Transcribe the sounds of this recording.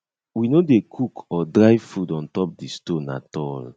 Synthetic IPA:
winodekʰukʰɔdɾaɪfudɔ̃ntɔp̚distõna̰tɔl

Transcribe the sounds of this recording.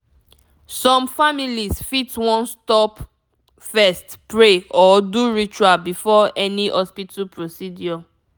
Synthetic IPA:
sɔ̃mfamilisfitwɔ̃nstɔp | fɛstpɹeɔduɹit͡ʃualbifɔɛniʔɔspitʰapɹosidjɔ

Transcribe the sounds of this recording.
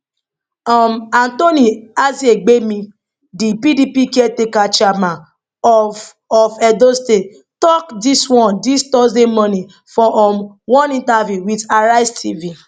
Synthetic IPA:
ɔmantoniazieɡ͡bemĩ | dipidipikɛtekat͡ʃamã | ɔ | ɔfɛdoste | tɔkdiswɔ̃ndistɔsdemɔ̃nĩ | fɔʔɔm | wɔ̃nĩntavjuwidaɾaɪstʰivi

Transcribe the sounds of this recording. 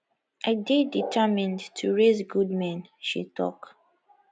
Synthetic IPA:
ʔadeditʰɛmĩndtʰuɹezɡudmɛ̃n | ʃḭtʰɔ̰k

